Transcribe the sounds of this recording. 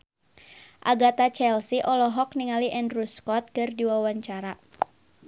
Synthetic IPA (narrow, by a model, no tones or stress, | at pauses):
ʔa̰ɡat̪at͡ʃɛlsiʔɔlɔɦɔkniŋaliʔɛndruskɔt̪̚kɨrdiwawaɲt͡ʃaɾa